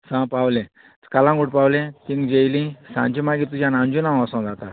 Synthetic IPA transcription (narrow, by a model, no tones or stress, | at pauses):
sãpawlẽ | kalãŋɡuʈpawlẽt̪ĩŋɡd͡ʑejlĩsã̰ɲt͡ɕimaɡit̪ud͡ʑjãnãnd͡ʑunãw̃asɔ̃d͡zat̪a